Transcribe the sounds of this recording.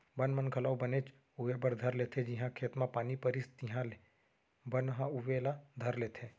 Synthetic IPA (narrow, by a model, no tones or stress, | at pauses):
bɐnmənkʰəlaːwbəneːt͡ʃ | ʊʋebəɾd̪ʱɐɾleːt̪ʰed͡ʒɪɦãkʰeːt̪mãpaːnipəɾɪst̪ɪɦãle | bɐnɦãʊʋelad̪ʱɐɾleːt̪ʰeː